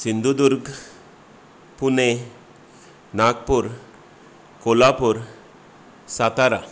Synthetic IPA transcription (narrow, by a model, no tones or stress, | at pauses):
sind̪ud̪uɾɡ | pune | nakpuɾ | kolapuɾ | sat̪aɾa̰